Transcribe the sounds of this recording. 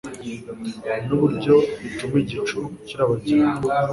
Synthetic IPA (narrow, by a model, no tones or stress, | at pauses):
nuβuɾɟo̞it͡ʃumwiɟit͡ʃuciɾaβaɟi